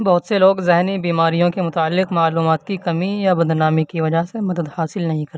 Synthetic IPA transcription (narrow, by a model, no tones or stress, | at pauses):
bɐɦʊt̪seloːɡzɛɦnibiːmaːɾijõkemʊt̪aːəlːɪqmaːluːmaːt̪kikɐmijabɐd̪naːmikiʋɐd͡ʒasemɐd̪əd̪haːsɪlnɐɦĩkɐɾe